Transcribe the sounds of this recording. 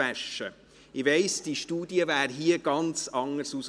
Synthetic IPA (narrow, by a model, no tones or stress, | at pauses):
æʃə | ɪʋeɪsd̥iʃtuːdiəvæːɾɦiːəɡ̥ɑnt͡sɑŋəɾsus